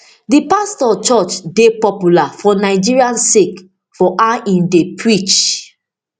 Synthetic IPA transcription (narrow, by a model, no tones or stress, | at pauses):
dipastɔt͡ʃɔt͡ʃdepɔpjulafɔnaɪd͡ʒiɹiãnsek | fɔʔãĩndepɹit͡ʃ